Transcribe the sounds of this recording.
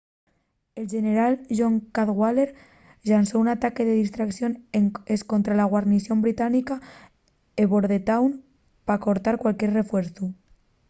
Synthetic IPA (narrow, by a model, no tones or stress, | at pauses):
elʒeneɾalʒoŋkaðɣwaleɾ | ʎansounat̪akeðeðist̪ɾaksjoneskont̪ɾalaɣ̞waɾnisjo̞mbɾit̪anika | eβoɾðet̪awn | pako̞ɾt̪aɾkwalkjeɾrefweɾθu